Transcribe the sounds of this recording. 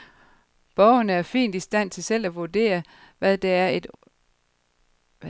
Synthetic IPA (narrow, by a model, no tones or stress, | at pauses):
b̥ɒʊɐnəæɐfḭːnd̥isd̥æn̰t͡sʰe̝lsel̰æʋuɐd̥e̝̰ːɐʋæðˠd̥ææɐed̥